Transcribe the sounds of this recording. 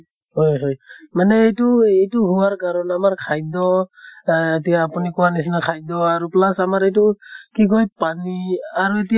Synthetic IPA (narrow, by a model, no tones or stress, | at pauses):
hojɦojmanɛːjtuejtuɦuwaɹɡaɹɔnamaɹkʰajdɔ | etijaːpunikɔwanis̬inakʰajdɔaɹuplasamaɹɛjtukiɡ̬ojpaniaɹuetij